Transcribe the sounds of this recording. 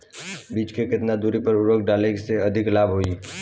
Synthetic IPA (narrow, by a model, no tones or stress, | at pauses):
biːt͡ʃkekɪt̪nad̪uːɾipəɾʊɾəkɖaːlekseɐd̪ʱɪklaːbɦoːi